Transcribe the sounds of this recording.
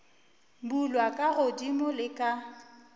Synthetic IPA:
bulwakʼaɣʊdimʊlɪkʼa

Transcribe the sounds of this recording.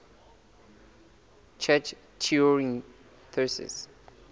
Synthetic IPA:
t͡ʃʰɛt͡ʃ | tʰuɹĩŋ | θʰɜsɛ̰s

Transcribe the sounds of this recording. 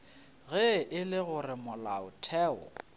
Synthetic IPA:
ɣɛʔɪlɪɣʊrɪmʊlaʊ̰tʰɛːɔ̰

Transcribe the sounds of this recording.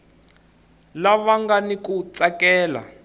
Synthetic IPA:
laβaŋɡanikut͡sakɛːla̰

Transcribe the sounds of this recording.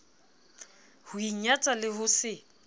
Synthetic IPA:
huiɲat͡sʼalɪhʊsɪ

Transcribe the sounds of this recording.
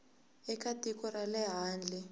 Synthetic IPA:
ɛkatikɔralɛɦaːnd͡ɮʱi

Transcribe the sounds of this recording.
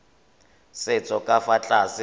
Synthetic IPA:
sɪt͡sʼɔkʼafat͡ɬʼasɪ

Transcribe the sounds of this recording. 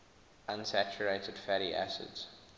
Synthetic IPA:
ãnsæt͡ʃəɹeɪtədfæɾiʔæ̰sɪ̰dz̥

